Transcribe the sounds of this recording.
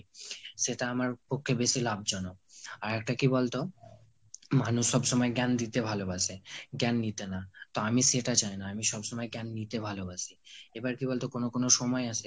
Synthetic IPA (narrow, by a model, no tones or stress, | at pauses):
ʃeʈaamaɾpokʰːebeʃilab̚d͡ʑɔnoaɾɛk̚ʈakibolt̪o | manuʃʃɔbʃɔmɔeɡɛnd̪it̪ebʱalobasʰeɡɛnːit̪enat̪oamiʃeʈat͡ɕajnaamiʃɔbʃɔmɔeɡɛnːit̪ebʱalobaʃiebaɾkibolt̪okonokonoʃɔmɔeasʰe